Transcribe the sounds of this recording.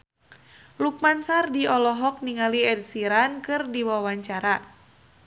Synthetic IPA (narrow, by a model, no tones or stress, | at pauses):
luk̚mansardiɔlɔɦɔk̚niŋaliɛd̚siɾankɨrdiwawaɲt͡ʃaɾa